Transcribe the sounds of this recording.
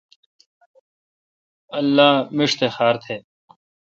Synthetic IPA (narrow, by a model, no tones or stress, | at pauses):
ɐlːaːmɪʂt̪ʰexaːɾt̪ʰeː